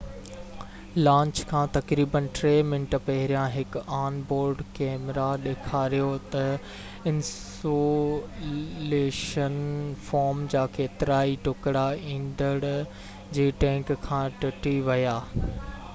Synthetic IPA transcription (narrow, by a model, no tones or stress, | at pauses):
lãːɲt͡ɕkʰãːt̪ɐkɾiːbənʈɾeːmɪ̃nʈpɐɦɪɾijãɦɪkaːnboːɾɖkeːmɪɾaɗekʰaːɾijot̪ɐ | ɪns | o | leːʃənfɔːɾmd͡ʑaːkeːt̪ɪɾaːiʈʊkɽaĩːnd̪əɽ | d͡ʑeːʈẽːŋkkʰːãːʈɪʈiʋɐjaː